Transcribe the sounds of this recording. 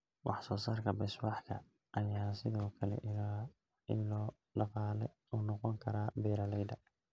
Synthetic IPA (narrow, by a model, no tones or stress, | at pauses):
wʔɑħsɔːsaːrkʰɐbɛswɑħkʰɐ | ʔɐjaːsɪðɔːkʰɐlɛ̰ | ɪɔː | ɖɑqɑːlɛ | uːnɔqɔŋkʰɐɾaːbɛːɾɐlɛjd̪ɐ